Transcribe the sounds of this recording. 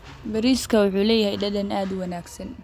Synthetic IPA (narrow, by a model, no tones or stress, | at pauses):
bɐɾiːskʰɐwʊħuːlɛːjɐhɛjɖɐðɐnaːd̪wɑnaːɡsɐn